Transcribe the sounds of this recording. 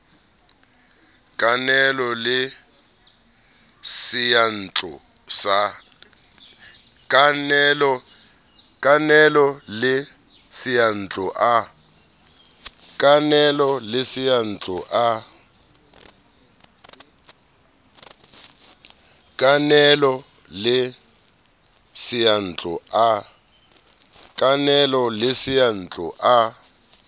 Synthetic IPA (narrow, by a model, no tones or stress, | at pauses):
kʼanɛlɔlɪ | sijan̩t͡ɬʼɔ | sa | kanɛlɔ | kʼanɛlɔlɪ | sijan̩t͡ɬʼɔʔa | kʼanɛlɔlɪsijan̩t͡ɬʼuʔa | kʼanɛlɔ | lɪ | sijan̩t͡ɬʼua | kʼanɛlɔlɪsijan̩t͡ɬʼuʔa